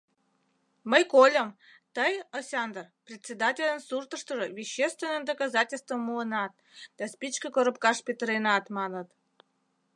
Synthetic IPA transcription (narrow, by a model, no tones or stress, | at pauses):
məjkolʲəm | t̪əjɑsʲɑnd̪ərprʲetʲt͡sʲːed̪ɑtʲelʲə̆nsurt̪ə̆ʂt̪ə̆ʐəvʲiɕːest̪vʲenːə̆md̪okɑzɑtʲelʲst̪vəmːuənɑt̪̚ | d̪̥ɑspʲit͡ɕkəkoɾəpkɑʂpʲet̪rʲenɑt̪mɑnət̪